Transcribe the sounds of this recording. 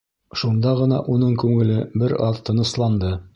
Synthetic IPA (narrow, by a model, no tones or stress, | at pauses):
ʃund̪ɑʁɤ̆nɑ̰ʔunɤɴkʉŋɘ̆lɘbɘɾɑðt̪ɤ̆nɤ̆slˠɑnd̪ɤ